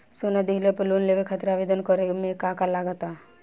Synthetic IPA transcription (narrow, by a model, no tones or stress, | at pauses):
sonad̪eɦlepəlunleʋekʰət̪ɾaʋed̪ənkɔɾemẽkakalaɡət̪a